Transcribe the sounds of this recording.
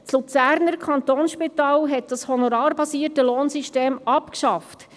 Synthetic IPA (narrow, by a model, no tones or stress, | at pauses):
t͡slut͡sæːɾnəɾkʰχɑnt̪oːnsʃpitɑːlɦɛt̚d̥ɑshɔnɔɾɑːɾbɑsiːətəloːnsyʃteːmɑpkʃɑft